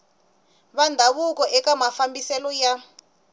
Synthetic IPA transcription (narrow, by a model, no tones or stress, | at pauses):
βandʱaβukɔʔɛkamafambisɛlɔja